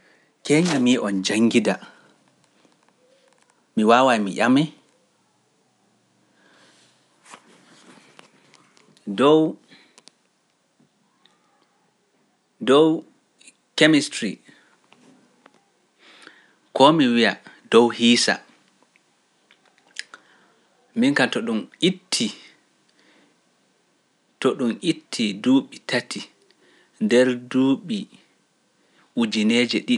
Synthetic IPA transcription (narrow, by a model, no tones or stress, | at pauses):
kɛɲamiʔɔnd͡ʒaŋɡida | miwaːwajmiʔamɛ | dɔw | dɔw | kemistɾi | kɔmiwijad̥ɔwhiːsa̰ | miŋkantɔɗumitʰːi | tɔɗumitʰːiduːɓitʰatʰi | ndɛɾduːɓi | ʔud͡ʒineːd͡ʒɛɗi